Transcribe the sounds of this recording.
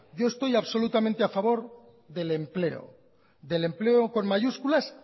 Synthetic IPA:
ɟ͡ʝo̞est̪o̞jaβso̞lut̪amẽnt̪eafaβo̞ɾ | ðe̞le̞mple̞o̞̰ | ðe̞le̞mple̞oko̞nmaʝuskulas

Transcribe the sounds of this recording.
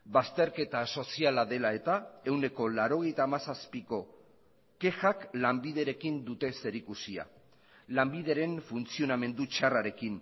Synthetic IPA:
bast̪e̞ɾke̞t̪aso̞sialaðe̞lae̞t̪ae̞wne̞ko̞laɾo̞ɣe̞jt̪aːmasaspiko̞ | ke̞xaklambið̞e̞ɾe̞kind̪ut̪e̞se̞ɾikusia̰ | lambiðe̞ɾe̞ɱfunt͡sio̞name̞nd̪ut͡ʃaraɾe̞kin

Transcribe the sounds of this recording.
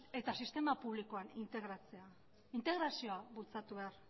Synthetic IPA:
e̞t̪asist̪e̞mapuβ̞liko̞anint̪e̞ɣɾat͡se̞a | int̪e̞ɣ̞ɾasio̞aβult͡sat̪uβe̞aɾ

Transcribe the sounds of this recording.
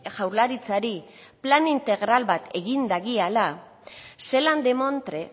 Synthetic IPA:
ʝawɾlaɾit͡saɾi | planint̪e̞ɣɾalβat̪ʰe̞ɣind̪aɣiala | se̞land̪e̞mo̞nt̪ɾe̞

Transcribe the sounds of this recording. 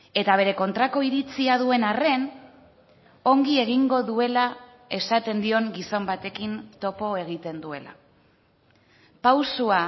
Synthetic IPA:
e̞t̪aβ̞e̞ɾe̞ko̞nt̪ɾako̞iɾit͡siaðue̞nare̞n | o̞ŋɡie̞ɣ̞iŋɡo̞ðue̞la | e̞sat̪e̞nd̪io̞ŋɡiso̞mbat̪e̞kint̪o̞po̞e̞ɣ̞it̪e̞nd̪ue̞la̰ | pawsua

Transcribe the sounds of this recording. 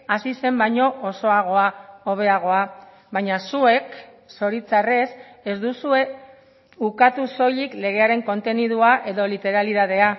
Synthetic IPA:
asise̞mbajɲo̞ʔːso̞aɣ̞o̞aoβ̞e̞aɣ̞o̞a | βajɲasue̞k | so̞ɾit͡sare̞s | ezd̪usue̞ | ukat̪uso̞ʎikle̞ɣ̞e̞aɾe̞ŋko̞nt̪e̞nið̞uaʔe̞ðo̞lit̪e̞ɾaliðaðe̞a

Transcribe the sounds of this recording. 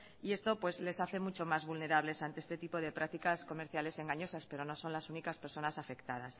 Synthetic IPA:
ie̞st̪o̞pwe̞zle̞saθe̞mut͡ʃo̞mazβulne̞ɾaβle̞sant̪eest̪et̪ipo̞ðe̞pɾak̚t̪ikasko̞me̞ɾθjale̞se̞ŋɡaɲo̞saspe̞ɾo̞no̞sõ̞nlasunikaspeɾso̞nasafe̞kt̪að̞as

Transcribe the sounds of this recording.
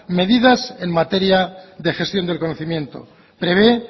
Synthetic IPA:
me̞ðiðase̞nmat̪e̞ɾjaðe̞xe̞st̪jo̞nd̪elkonoθimjẽ̞nt̪o̞̰ | pɾe̞βe̞

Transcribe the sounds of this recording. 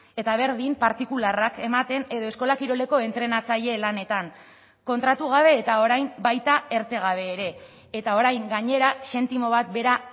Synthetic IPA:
e̞t̪aβ̞e̞ɾðimpaɾt̪ikularake̞mat̪e̞ne̞ðo̞e̞sko̞lakiɾo̞le̞ko̞e̞nt̪ɾe̞nat͡saʎe̞lane̞t̪aŋ | ko̞nt̪ɾat̪uɣ̞aβ̞e̞ːt̪ao̞ɾajmbajt̪ae̞ɾt̪e̞ɣ̞aβ̞e̞ːɾe̞ː | t̪ao̞ɾajŋɡaɲe̞ɾase̞nt̪imo̞βat̪̚be̞ɾa

